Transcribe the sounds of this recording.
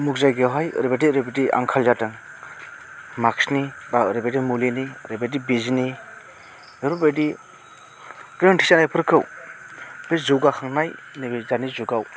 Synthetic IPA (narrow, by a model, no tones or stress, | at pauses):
muk̚zajɡeɦajɾebediɾebedia̰ŋkʰalzatɯŋ | maksnibaɾebedimuliniɾebedibizini | eɾubedi | ɡɾɯŋtʰisanajpʰɯɾkʰɯw | bezɯwɡakʰaŋnaj | nibizanizuɡaw